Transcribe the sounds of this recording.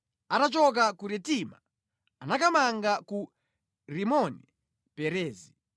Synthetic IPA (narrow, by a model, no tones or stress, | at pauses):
atat͡ʃɔk̬akuɾɛtima̰ | anakamaŋɡaku | ɾimɔni | pɛɾɛːzi